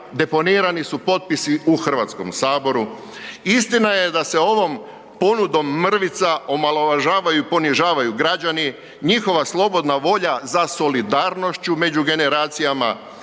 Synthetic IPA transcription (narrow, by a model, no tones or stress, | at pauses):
d̪e̞po̞niɾanisupo̞t̪̚pisiuxr̩ʋat̪sko̞̰msaːbo̞ɾu | ist̪inaje̞d̪ase̞o̞ʋo̞m | po̞nud̪o̞mːr̩ʋit̪sao̞malˠo̞ʋaʒaːʋajuipo̞niʒaːʋajuɡɾad͡ʑani | ɲixo̞ʋaslˠo̞bo̞d̪naʋo̞ʎazaso̞lid̪aːɾno̞ʃt͡ʃume̞d͡ʒuɡe̞neɾaːt̪sijama̰